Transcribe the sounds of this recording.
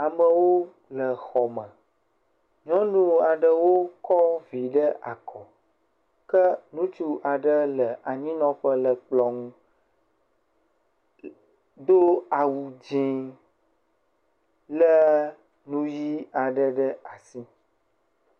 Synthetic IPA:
a˨mə̃˨wo˦ | lə˨xɔ˨mə̃˨ | ɲɔ̃˦nũ˦a˨ɖə˦wo˦kɔ˦vi˨ɖə˦ʔa˨kʰɔ˨ | kə˦nũ˦t͡ʃu˦ʔa˨ɖə˦lə˨ʔa˨ɲĩ˦nɔ̃˦ɸə˦lə˨k͡plɔ˨ŋũ˦ | d̪o˦a˨wu˨d͡ʑĩ˦ | lə˦ | nũ˦ji˦a˨ɖə˦ɖə˦a˨si˦

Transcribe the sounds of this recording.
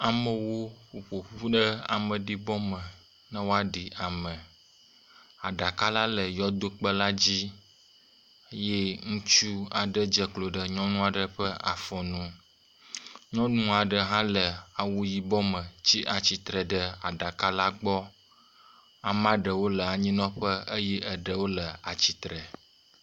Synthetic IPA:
a˨mə˨wo˦ɸu˨ɸo˨ɸu˦ɖə˦a̰˨mə˨ɖi˦bɔ˦mə˨ | nã˦wo˦a˦ɖi˨ʔa˨mə˨ | a˨ɖa˨ka˦la˦lə˨jɔ˦d̪o˦k͡pə˦la˦d͡ʑi˦ | je˦ŋũ˦t͡ʃu˦a˨ɖə˦d͡ʒə˨klo˨ɖə˨ɲɔ̃˦nũ˦a˨ɖə˦ɸə˦ʔa̰˨fɔ̃˨nũ˦ | ɲɔ̃˦nũ˦a˨ɖə˨ɦã˦lə˨a˨wu˦ji˨bɔ˦mə̃˨t͡ɕi˦ʔa˨t͡ɕi˨t̪ɾə˨ɖə˦a̰˨ɖa˨ka˦la˦ɡ͡bɔ˦ | a˨m˦ã˦ɖə˨wo˦lə˨a˨ɲĩ˦nɔ̃˦ɸə˦ə˦jɛ˦ʔə˨ɖə˨wo˦lə˨a˨t͡ɕi˨t̪ɾə˨

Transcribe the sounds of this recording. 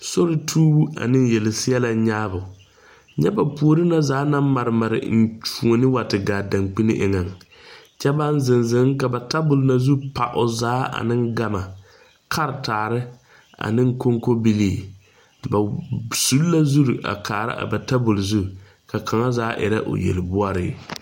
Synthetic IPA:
so˦ɾɪ˦tʰuː˦u˦a̰˨nɪ˦njɛ˨lɪ˨sɪ˦ɛ˦la˨˦ɲaː˦bʊ˨ | ɲɛ˦ba˨pu˨o˨ɾɪ˦na˦zaː˨˦na˦m˦ma˨ɾɪ˨ma˨ɾɪ̰˨n̩˨t͡ʃu˨o˨nɪ˦wa˨tɪ˨ɡaː˨da˨ŋk͡pi˦nɪ̰˦ʔɪ̰˨ŋa˨ŋ˨ | t͡ʃɛ˦ba˦n˦zɪ˨nzɪ˨˦ŋka˨ba˨ta˦bʊ˨lna˨zu˦pa̰˨ʔʊ˨zaː˦a̰˨nɪ˦ŋɡa˨ma˨ | kʰa˦ɾtaː˨ɾɪ˦ | a̰˨nɪ˦ŋ˦ko˦ŋko˦bi˦liː˦˨ | ba˨su˦lla˦zu˦ɾu˨ʔa̰˨kʰaː˨ɾa̰˦ʔa̰˨ba˨ta˦bʊ˨lzu˦ | ka˨kʰa˨ŋa˦zaː˦ʔɪ̰˨ɾa˦ʔo̰˨jɛ̰˨lɪ˨bʊ˦a˦ɾɪ̰˦

